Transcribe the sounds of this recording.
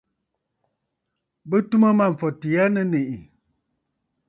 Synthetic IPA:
bə˦tu˦mə˦ma˦˨ɱ̩˨fɔ˨ti˨a˦nə˦ne˨ʔi˨

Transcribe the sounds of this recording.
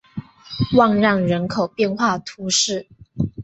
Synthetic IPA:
wɑ˥˧ŋɻɑ˥˩ŋɻə˧˦˥nkʰo˨˩ʊpjɛ˥˧nxwa˥˩t̪ʰu˧˥ʂɻ̩˥˩

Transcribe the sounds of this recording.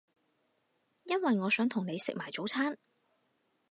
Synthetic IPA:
jɐ˥nwɐ˨jŋɔː˨˧sœː˨˥ŋt̪ʰʊ˨˩ŋne˨˧jsɪ̰˨k̚maː˨˩jt͡so˨˥wt͡sʰaː˥n

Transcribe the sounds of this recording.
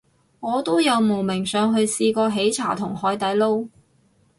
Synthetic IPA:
ŋɔː˨˧t̪o˥wjɐ˨˧wmo˨˩wmɪ˨˩ŋsœː˨˧ŋɦɵ˧ɥsiː˧kɔː˧ɦe˨˥jt͡sʰa̰ː˨˩t̪ʰʊ˨˩ŋhɔː˨˧jt̪ɐ˨˥jlo˥w

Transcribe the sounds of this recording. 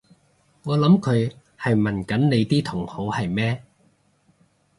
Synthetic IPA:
ŋɔː˨˧lɐ˨˥mkʰɵ˨˧ɥ | hɐ˨jmɐ˨˩nkɐ˨˥nne˨˧jt̪iː˥t̪ʰʊ˨˩ŋho˨˥whɐ˨jmɛː˥

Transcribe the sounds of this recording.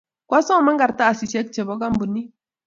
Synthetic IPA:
kwa˦so˦˨ma˦ŋɡa˨ɾta˦a˨si˨se˦k̚t͡ʃe˨bo˦ɡa˦mbu˨nːi˦

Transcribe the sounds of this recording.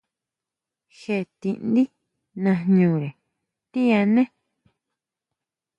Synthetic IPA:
xe˧˨t̪i˧ʔnd̪i˦ | nã˧ɲũː˨ɾe˨ | t̪i˦ã˧nẽ˦

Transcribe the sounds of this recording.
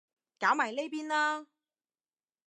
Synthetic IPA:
kaː˨˥wmaː˨˩jle˥jpiː˥nlaː˥

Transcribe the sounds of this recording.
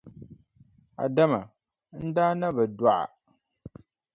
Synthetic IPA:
a̰˨da˦ma˨ | n̩˦daː˦na˦ba˨da˦ʔa̰˨

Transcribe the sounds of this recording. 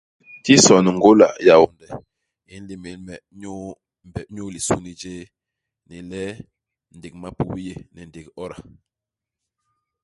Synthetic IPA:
ti˦sɔ˨ni˨ŋ˨ɡo˦la̰˨ja˨wo˨ndɛ˨ | i˨˦n̩˦li˨me˨˦lmɛ˨ɲo˦ | m˨bɛ˨˦ɲo˦li˨su˦ni˦d͡ʒe˦ | nɛ˨lɛ˦ | n̩˨de˨k̚ma˦pu˨wi˦je˦nɛ˨n˨de˨kɔ˦ɾa˨

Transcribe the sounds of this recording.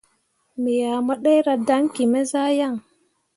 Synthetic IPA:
mi˨ja˨ma˦ɗe˦jɾa˨da˦ŋ˦ki˨me˦za˦ja˦˨ŋ

